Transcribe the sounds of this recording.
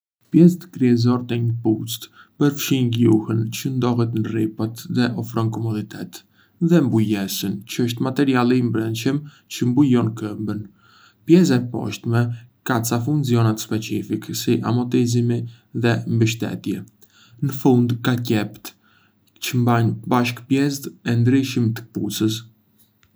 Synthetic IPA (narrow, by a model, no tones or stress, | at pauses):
pjɛst̪əkɾiɛzɔɾt̪ɛɲəput͡st̪pəɾfʃiɲɡjuhənt͡ɕənd̪ɔɦɛt̪nripat̪ðɛʔɔfɾɔnkɔmɔd̪it̪ʰɛ̰t̪ | ðɛmbujɛsənt͡ɕəəʃ̬t̪mat̪ɛɾialɛimbɾənt͡ʃəm | t͡ɕəmbujɔnkəmbən | pjɛz̬aɛpɔ̰ʃt̪mɛkat͡safunziɔnat̪spɛt͡sifiksiʔa̰mɔt̪izimi | ðɛmbəʃt̪ɛ̰t̪jɛ | nəfund̪kacɛpt̪ | t͡ɕəmbaɲbaʃkpjɛst̪ɛnd̪ɾiʃimt̪ə̥pṵsəs